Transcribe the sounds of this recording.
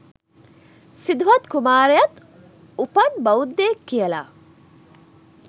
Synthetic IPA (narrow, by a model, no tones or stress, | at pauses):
sid̪uɦɐt̪kumaːɾejɐt̪ | upɐnbɐud̪ːeːkːijɐla̰ː